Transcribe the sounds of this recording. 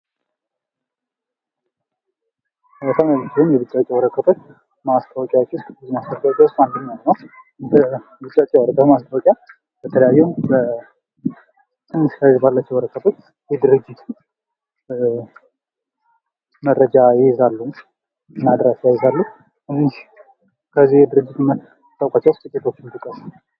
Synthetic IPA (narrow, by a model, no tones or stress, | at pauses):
ət̪ʰanalːɨt͡ʃʰɪlɨmjɛbɨt͡ʃʼːat͡ʃʼːɛwɔɾəkːət̪ʰot͡ʃː | mast̪ʰawɔkʼjawot͡ʃːwʊst̪ʼbɨzimast̪awɔkʼawot͡ʃʼjawʊst̪and̪ənɲat̪nəw | bə | bɨt͡ʃʼːat͡ʃʼːɛwəɾəkːəmast̪ʰawɔkʼja | b̥ət̪ʰələjajːɛwmbə | sʼɨmːɨsajzbalːat͡ʃːɛwəɾəkːət̪ʰo̞t͡ʃː | jɛd̪ɨɾɨd͡ʒːit̪ʰ | mərːəd͡ʒajɪzalːuu | ɨnad̪ɾasjajɛzalːu | ɨniʃ | kʰəzːijɛd̪ɨɾɨd͡ʒːɪt̪mə | t̪ʼːawkʷʼat͡ʃːawst̪ʼɨkʼːet̪ʰo̞t͡ʃːɪnt̪ɨkʼːəs